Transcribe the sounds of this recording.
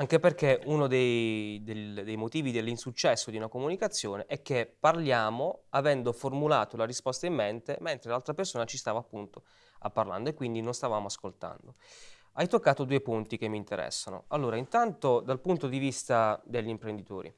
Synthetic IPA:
aŋk̟eperkeunod̪ejd̪ed̪ejmot̪iːvid̪elːinsut͡ʃːɛsːod̪iunakomunikat̪sːjoːneʔɛk̟ːepːarljaːmoavɛnd̪oformula̰ːt̪olaɾispɔst̪aimːent̪ement̪ɾelalt̪ɾapersoːnat͡ʃist̪aːvaːpːunt̪o | a̰pːarla̰nd̪oekːwind̪inonst̪avaːmoaskolt̪a̰nd̪o | ajt̪okːaːt̪od̪uːepunt̪ik̟emːiːnt̪eɾɛ̰sːano̰alːoːɾaint̪ant̪od̪alpunt̪od̪ivist̪ad̪eʎːimpɾend̪it̪oːɾḭ

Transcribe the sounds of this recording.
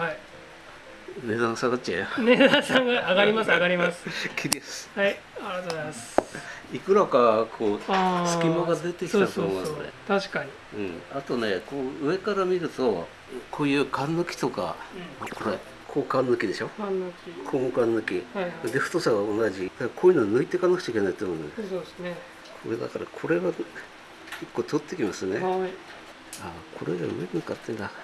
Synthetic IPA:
hai | ne̞d̪ãnsãnd̪at͡ɕḛned̪ãsãŋɡaaɡaɾʲimasaɡaɾʲimasɨ̥kʲʰid̪eshai | aɾiat̪ozmasikɯ̟ɾakakʰo̞ːsɨ̥kʲimoɡad̪e̞t̪e̞kʲiit̪at̪omomasɨnḛt̪aɕi̥kaɲi | ɯ̃ɴat̪o̞ne̞ko̞ːɯ̟e̞kaɾamʲiɾɯ̟t̪o̞ | kʰo̞ːjɯ̟ːkʰãnːɯkʲi̥t̪o̞ka̰makʰo̞ɾe | kʰoːkãnːɯkʲid̪e̞ɕo̞kʲikʰoːmokãnːɯkʲid̪eɸɯ̥t̪osaɡaonaʑid̪akkʰoːjiɯnonɨɯit̪e̞kanakɯ̟̥t͡ɕaikenait̪omond̪n | kʰoɾed̪a̰kaɾa̰kʰo̞ɾe̞βa | ikːoːt̪ʰot̪ːe̞kʲimasɨne | akʰo̞ɾḛd̪a̰ɯ̰eɾɯŋkat̪ːẽnd̪a

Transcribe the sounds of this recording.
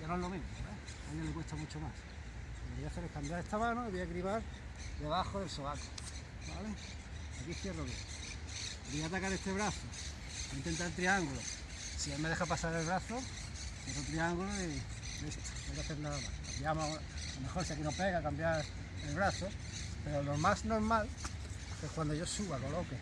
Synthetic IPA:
janoelomẽnoe | aljelekwest̪amut͡ʃomas | oβojaθeɾekambjaɾest̪amãnoiβojakɾiβaɾ | d̪e̞βaxoðe̞lsoβako | ba̰le | akiθje̞roke | bojat̪akaɾest̪e̞βɾaθo | int̪e̞nt̪aɾelt̪ɾiaŋɡulo | sielmeðe̞xapasaɾelβɾaθo | θjerot̪ɾiaŋɡuloi | es | najkaθe̞ɾnaðama̰skambjamo | lome̞xoɾsiak̬inope̞ɣakambjaɾ | elβɾaθo | pe̞ɾolo̞masno̞ɾmalkehkwand̪oʝosuβako̞lo̞ke

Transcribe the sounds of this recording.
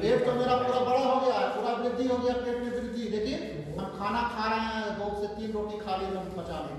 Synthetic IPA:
ɾeːbpəɾmeɾapuɽabəɽaɦoɡejapuɾabɾɪd̪ʱiɦoɡejabɾebɪbɪɾd̪ilekin | ɦəmkʰanakʰaɾeɦɛ̃boːɡset̪iːnɾoʈikʰaliɾəmbət͡ʃalẽ

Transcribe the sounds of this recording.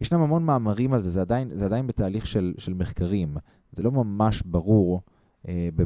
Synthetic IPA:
jeʃnamhamo̞nmaːmaʁimalzezead̪ajnzead̪ajinbet̪aːliχʃelʃelmeχkaʁim | zelo̞mamaʃbaʁuʁ | ebe

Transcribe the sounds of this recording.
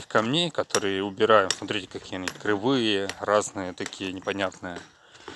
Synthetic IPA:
xʲkɐmnʲejkɐt̪oɾɨjəʊbʲɪɾajʊmsmɐt̪ɾʲitʲɪ̥kɐkʲijənʲt̚ʲkɾɨvɨjəraznɨjət̪ɐkʲijənʲɪpɐnʲat̪nɨjə

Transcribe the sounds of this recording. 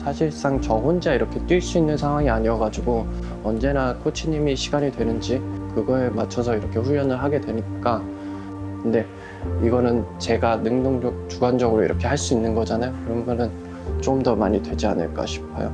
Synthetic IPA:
sʰaɕʰiɭs͈aŋt͡ɕʌɸond͡ʑaiɾʌkʰe̞t͈wiɭs͈uinːɯnsʰaŋɦwaŋiaɲiʌɡad͡ʑiɡo | ʌnd͡ʑe̞nakʰot͡ɕʰiɲimiɕʰiɡaɲidwe̞nɯnd͡ʑikɯɡʌemat͡ɕʰʌsʰʌiɾʌkʰe̞ɸuʎːʌnɯɭɦaɡe̞dwe̞ɲik͈a | kɯnde̞ | iɡʌnɯnt͡ɕe̞ɡanɯŋdoŋd͡ʑʌk̚t͡ɕuɡand͡ʑʌɡɯɾoiɾʌkʰe̞ɦaɭs͈uinːɯnɡʌd͡ʑanajokɯɾʌnɡʌnɯn | t͡ɕ͈omdʌma̰ɲidwe̞d͡ʑia̰nɯ̰ɭk͈a̰ɕʰi̥pʰa̰jo̰

